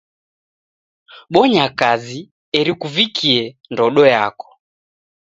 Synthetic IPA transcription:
ɓɔɲakazi | ɛɾikuvikʰiɛndɔɗɔja̰kɔ̥

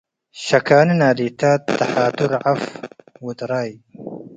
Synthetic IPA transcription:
ʃakaːnnaːd̪it̪aːt̪ːaħaːt̪ʊɾʕafwʊd̪ɾˤɑːj

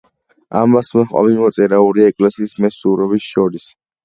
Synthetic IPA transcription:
amvasmɔχχʼa̰vimɔt̪sʼɛɾauɾiɛkʼlɛsiːsmɛsuɾɔbisʃɔɾis

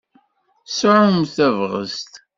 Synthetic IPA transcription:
sʕʊmθævʁə̰st̪

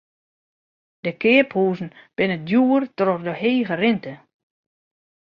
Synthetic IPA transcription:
d̥əkɪːphuːzn̩b̥ɪnədjuːərtrɔrdəheːɣərɪntə

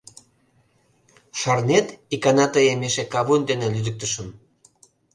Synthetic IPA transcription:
ʃɑrnet̪ikɑnɑt̪əjemeʃekɑβund̪enelyd̪ək̚t̪əʃəm

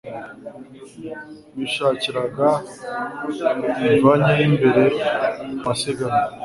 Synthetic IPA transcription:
miʃaːciɾaɡa | iaɲajimbe̞ɾe | maseɡaɾa

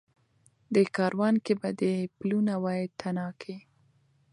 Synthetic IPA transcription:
d̪əkɑɾwɑnkebad̪əplunawɑjad̪̚t̪ʰanɑkʰi

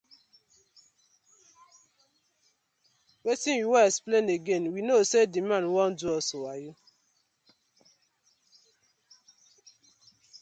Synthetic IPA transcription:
wetĩnjiwɛɛksplẽneɡẽnwinosedimãnwɔn̩duɔsowaju

